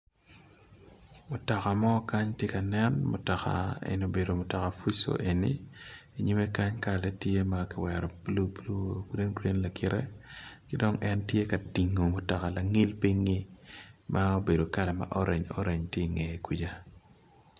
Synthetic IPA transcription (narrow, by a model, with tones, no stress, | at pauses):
mʊ˨tɔ˨ka˨mɔ˦ka˦ɲtje˦ka˨nɛ˦nmʊ̰˨tɔ˨ka̰˨ḛ˨no˨be˨do˨mʊ˨tɔ˨ka˨fu˦so̰˨ʔe˨nḭ˦i˨ɲi˦me˦ka˦ɲka˨lɛ˦tje˦makɪ˦wɛ˨ɾɔ˨lu˦blkɾe˦nɡɾe˦nla˨kɪ˨ɾʔḛ˦kɪ˦dɔ˦ŋɛ˦ntje˦ka˨ti˨ŋːo˨mʊ˨tɔ˨ka˨la˨ŋi˦lpi˦ɲi˦mʔa˦o˦be˨do˨ka˦lɛ˨ma̰˦ʔɔ˦ɾʔe˨ɲɔ̰˦ɾe˨ɲtje˦i˨ŋe˨ku˦d͡ʒa˦